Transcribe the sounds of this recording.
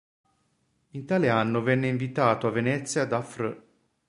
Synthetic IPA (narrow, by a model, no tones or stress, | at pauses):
int̪aːleanːovɛnːeiɱvit̪aːt̪oavːenɛt̪sːjad̪afɾə